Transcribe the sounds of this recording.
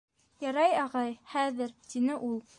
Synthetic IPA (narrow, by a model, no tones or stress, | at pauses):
jɑɾɑjɑʁɑjχæðɘɾt̪inɘʔulˠ